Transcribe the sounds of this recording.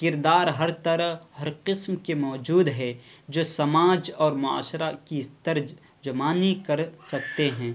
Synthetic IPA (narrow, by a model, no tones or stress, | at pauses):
kɪɾd̪aːɾɦɐɾt̪ɐɾəɦhɐɾqɪsmkemɔːd͡ʒuːd̪ɦɛd͡ʒoːsɐmaːd͡ʒɔːɾmʊa̰ːʃɾakit̪ɐɾd͡ʒ | d͡ʒɐmaːnikɐɾsɐk̚t̪eɦɛ̃ː